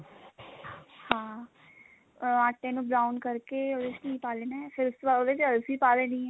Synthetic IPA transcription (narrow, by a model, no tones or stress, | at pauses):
hãː | aːʈːẽnũbɾaːʊnkɐɾkeoːd̪eːt͡ʃniipaːlenapʰɪɾʊsaoːd̪et͡ʃɐlsipaːlenĩɛ